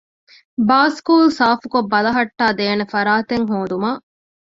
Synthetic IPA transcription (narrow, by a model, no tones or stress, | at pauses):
baːskuːlsaːfukobːɐlɐɦɐʈːaːd̪eːnefɐɾaːt̪eŋɦoːd̪umaː